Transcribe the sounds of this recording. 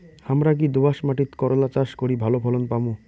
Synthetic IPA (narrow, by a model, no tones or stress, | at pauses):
hamɾak̬id̪ubaʃmaʈit̪kɔɾolat͡ɕaʃkoɾibʱalopʰɔlonpamu